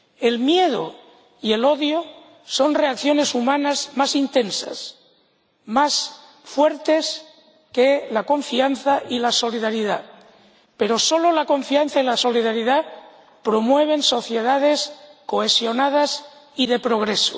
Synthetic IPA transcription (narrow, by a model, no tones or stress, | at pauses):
e̞lmje̞ð̞o̰ | ie̞lo̞ðjo | so̞nreakθjo̞ne̞sumãnazmasint̪e̞nsa̰s | mas | fwe̞ɾt̪e̞s | kelako̞ɱfianθaʔilaso̞liðaɾiða | pe̞ɾo̞so̞lo̞lakõ̞ɱfianθailaso̞liðaɾiða | pɾo̞mwe̞β̞e̞nso̞θje̞ðað̞e̞sko̞esjo̞nað̞asiðe̞pɾo̞ɣ̞ɾeso̰